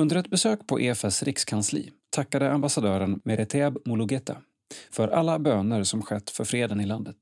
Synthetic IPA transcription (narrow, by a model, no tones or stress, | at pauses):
ɵnd̪əɾɛt̪bɛsøːkpʰɔ̰ʔeːfɛsɾɪkskʰanslḭːt̪ʰakːad̪əambasad̪œːɾənmɛɾɛt̪ʰabmʊlʊɡɛt̪a̰ | fœɾʔalːabøːnəɾsɔmɧɛt̪ːfœɾfɾeːd̪ənɪland̪ət̪